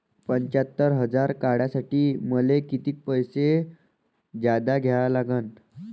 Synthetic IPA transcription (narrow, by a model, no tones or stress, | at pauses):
pəɲt͡ɕat̪ːəɾɦəd͡zaɾkaɽjasaʈiːməlekit̪iːk̚pəjse | d͡ʑad̪aɡʱjaɭalaɡən